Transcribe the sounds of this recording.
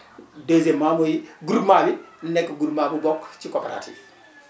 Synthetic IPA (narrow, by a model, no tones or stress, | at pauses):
dezemamojiɡuɾmabinekːɡuɾmabuɡokt͡ʃikoːpeɾa̰tʰḭv